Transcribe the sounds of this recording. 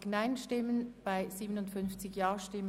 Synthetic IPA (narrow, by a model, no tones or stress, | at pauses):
ɡnaɪnʃtɪmənb̥aɪziːbənʊntfʏnft͡sɪçjɑːʃtɪmə